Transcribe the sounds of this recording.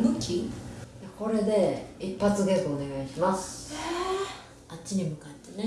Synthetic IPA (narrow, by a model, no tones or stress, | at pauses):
mɯkʲʰijako̞ɾe̞d̪e̞ipːat͡sɨɡekoone̞ɡaiɕimas | at͡ɕiɲ̟imɯ̟kat̪ːe̞ne